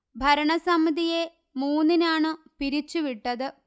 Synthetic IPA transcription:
bʱɐɾɐɳɐsɐmid̪ije | muːnːinaːɳɨ | piɾit͡ɕːuʋiʈːɐðɨ

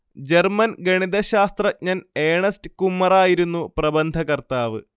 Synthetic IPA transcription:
d͡ʑermɐnɡɐɳiðɐɕaːst̪rɐɲaːneːɳɐstɨkumːɐraːjiɾunːuprɐbɐnd̪ʱɐkɐrt̪aːʋɨ̰

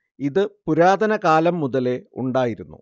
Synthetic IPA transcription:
iðɨpuɾaːd̪ɐnɐkaːlɐmːuðɐle̞uɳɖaːjiɾunːṵ

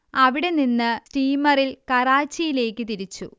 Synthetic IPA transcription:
ɐʋiɽe̞ninːɨsʈiːmɐrilkɐraːt͡ɕːijile̞ːkːɨt̪iɾit͡ɕːṵ

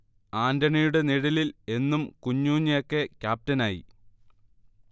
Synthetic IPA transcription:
aːndɐɳijuɽe̞niɽɐlile̞nːumkuɲːuːɲːɐjokːe̞kʲjaːp̚tɐnaːjḭ

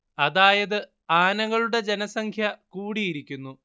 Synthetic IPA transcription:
ɐðaːjɐðɨ | aːnɐŋːɐɭuɽe̞d͡ʑe̞nɐsɐŋkʰjɐkuːɽijiɾikʲːunːu

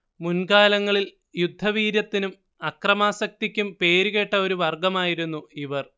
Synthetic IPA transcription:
munkaːlɐŋːɐɭil | jud̪ʱːɐʋiːɾjɐt̪ːinum | ɐkrɐmaːsɐk̚t̪ikʲːumpe̞ːɾuɣe̞ʈːɐo̞ɾuʋɐrɡɐmaːjiɾunːuiʋɐr

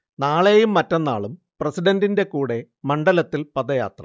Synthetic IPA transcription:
naːɭeːjumːɐtːɐnːa̰ːɭum | prɐsiɖɐndinde̞kuːɽe̞ | mɐɳɖɐlɐt̪ːilpɐðɐja̰ːt̪rɐ̰

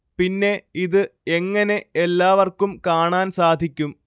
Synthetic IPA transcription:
pinːe̞iðɨeŋːɐne̞elːaːʋɐrkumkaːɳaːnsaːd̪ʱikʲːum

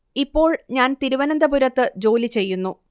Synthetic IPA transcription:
ipːo̞ːɭɲaːnt̪iɾuʋɐnɐnd̪ɐbuɾɐt̪ːɨd͡ʑo̞ːlit͡ɕe̞jːunːu

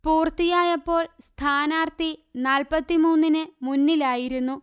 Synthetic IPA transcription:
puːrt̪ijaːjɐpːo̞ːɭst̪ʰaːnaːrt̪inaːlpɐt̪ːimuːnːinɨmunːilaːjiɾunːu

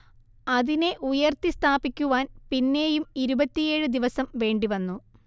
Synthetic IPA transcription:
ɐðine̞ʔujɐrt̪ist̪ʰaːbikʲːuʋaːnpinːe̞ːjumiɾubɐt̪ːije̞ːɻɨd̪iʋɐsɐmʋe̞ːɳɖiʋɐnːu

